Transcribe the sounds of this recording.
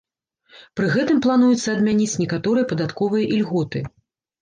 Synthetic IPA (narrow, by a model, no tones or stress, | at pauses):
pɾɨɣɛt̪ɨmplˠanujut̪sːɐːd̪mʲanʲit͡sʲnʲɛkat̪ɔɾɨjɐpɐd̪at̪kɔvɨjɐʔilʲɣɔt̪ɨ